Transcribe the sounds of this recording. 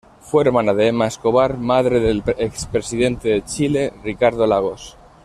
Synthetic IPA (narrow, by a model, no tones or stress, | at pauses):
fweɾmanaðeemaeskoβaɾmaðɾeðelekspɾesiðe̞nt̪eðet͡ʃile̞rikaɾðolaɣ̞os